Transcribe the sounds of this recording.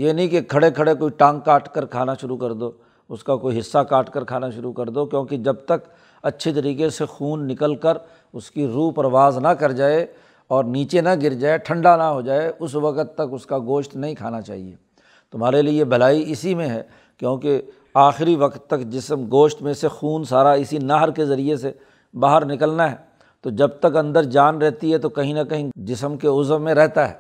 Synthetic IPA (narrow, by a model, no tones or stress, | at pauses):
jeːnɐɦĩkekʰɐɽekʰɐɽekoːiʈãːŋkːaːʈkəɾkʰaːnaʃʊɾukɐɾd̪oː | ʊskakoːiɦɪsːakaːʈkəɾkʰaːnaʃʊɾukɐɾd̪okjõːked͡ʒɐb̚t̪ɐk | ɐtːʃʰet̪̬ɐɾiːkesexuːnːɪkəlkəɾ | ʊskiɾuːɦpɾəʋaːznɐkɐɾd͡ʒaːe | ɔːɾniːt͡ʃenɐɡɪɾd͡ʒaːeʈʰɐ̃ɳɖanɐɦod͡ʒaːeʊsʋɐkət̪ːɐkʊskaɡoːʃt̪nɐɦĩkʰa̰ːnat͡ʃa̰ːɦḭḛː | t̪ʊm̤ɦaːɾeliebʱɐlaːiɪsimẽɦɛ̰ː | kjõːke | aːxɪɾiʋɐkt̪ːɐkd͡ʒɪsəmɡoːʃt̪mẽsexuːnsaːɾaɪsinaɦəɾkezɐɾiese | baːɦəɾnɪkəlnaɦɛː | t̪od͡ʒɐbt̪ɐkɐ̃nd̪əɾd͡ʒaːnɾɛɦt̪iɦɛt̪okɐɦĩnɐkɐɦĩd͡ʒɪsəmkeʊzʋmẽɾɛɦt̪aɦɛ̰ː